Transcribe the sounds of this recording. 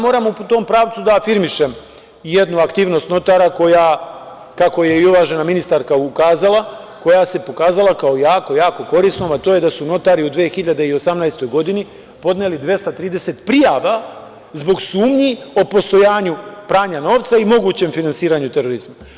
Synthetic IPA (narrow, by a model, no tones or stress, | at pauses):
mo̞ːɾamut̪o̞ːmpɾaːʋt̪sud̪aːfiɾmiʃe̞m | je̞d̪nuakt̪iːʋno̞st̪no̞t̪aɾako̞ja | kako̞je̞iuʋaʒe̞naminist̪aɾkaukaːzalˠa | ko̞jase̞po̞kaːzalˠakaojaːko̞jaːko̞ko̞ɾiːsno̞mat̪oːje̞d̪asuno̞t̪aɾiud̪ʋeːxiʎad̪eio̞samnajst̪o̞jɡo̞d̪ini | po̞d̪ne̞lid̪ʋje̞st̪at̪ɾiːd̪e̞se̞t̪pɾijaʋa | zbo̞ɡsuːmɲio̞po̞st̪o̞jaːɲupɾaːɲano̞ːʋt̪saimo̞ɡuːt͡ɕe̞mfinansiːɾaɲut̪e̞ɾo̞ɾizma